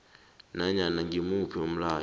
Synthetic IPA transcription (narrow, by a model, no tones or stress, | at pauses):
naɲanaŋɡimupɔm̩la